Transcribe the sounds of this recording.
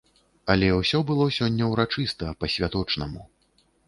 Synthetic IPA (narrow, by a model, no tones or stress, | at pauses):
ɐlʲɛwsʲɔbɨlˠɔsʲɔnʲːɐwɾat͡ʂɨst̪ɐpɐsʲvʲat̪ɔt͡ʂnɐmu